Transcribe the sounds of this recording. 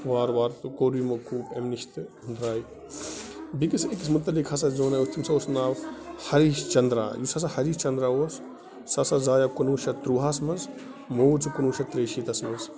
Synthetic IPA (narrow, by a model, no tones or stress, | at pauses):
ʋaːɾʋaːɾt̪koːɾimɐkuːpemniʃt̪ɦund̪ɾaːji | bikisikismut̪ːɐlikhɐs̬ɐzoːnaːjust̪ʰimsɐosnaːwhɐɾiːʃt͡ʃɐnd̪ɾa̰ːjusɐs̬ɐhɐɾist͡ʃɐnd̪ɾaːwos | sɐsɐzaːjakunuːʃɐt̪ɾuːɦasmɐnz | moːt͡sikunuːʃɐt̪ɾeːʃiːt̪ɐsmɐnz